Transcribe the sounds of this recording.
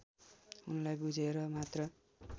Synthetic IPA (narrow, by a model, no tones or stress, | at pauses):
unlajbud͡zʱeɾʌmat̪rʌ